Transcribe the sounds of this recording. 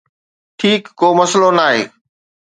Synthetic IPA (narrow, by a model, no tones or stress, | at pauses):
ʈʰiːkːoːmɐslonaːɦḛː